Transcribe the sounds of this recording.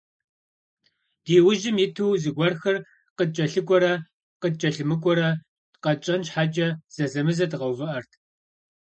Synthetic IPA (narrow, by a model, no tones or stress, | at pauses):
d̥iːwʊʒɪmjɪtʰuwzɨɡʷɔrxɐr | qəd̚t͡ʃʼɐɬɨkʷʼɔɾɐ | qəd̚t͡ʃʼɐɬɨmɨkʷʼɔɾɐ | tqɐt͡ʃʼɐnɕħaːd͡ʒʼɐz̥ɐzɐmɨzɐdʁɐwvɨʔɐrtʰ